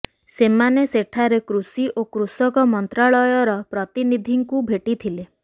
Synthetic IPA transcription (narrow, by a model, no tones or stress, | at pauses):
semaneseʈʰaɾekɾusiʔokɾusɔkɔmɔnt̪ɾaɭɔjɔɾɔpɾɔt̪inid̪ʱiŋkubʱeʈit̪ʰile